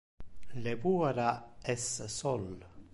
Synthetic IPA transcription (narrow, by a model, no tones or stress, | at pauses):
levuːaɾaɛssɔl